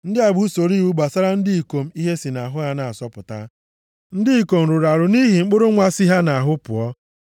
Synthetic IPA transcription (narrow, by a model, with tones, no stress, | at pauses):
n̩˦dɪ˦a˨ɡ͡bu˦so˨ɾi˦wu˦ɡ͡ba˨sa˦ɾa˦n̩˦dɪ˦i˨ko˨m̩˦i˦ɦe˦si˨na˨ɦʊ˦ɣa˦na˨a˨sɔ˦pʊ˨ta̰˦ | n̩˦dɪ˦i˨ko˨m̩˨ɾʊ˨ɾa˨ɾʊ˨ni˦ɦi˨ŋ͡m̩˦k͡pʊ˦ɾʊ˦ŋʷa˦si˦ɦa˦na˨a˨ɦʊ˦pʊ̰˨ɔ˦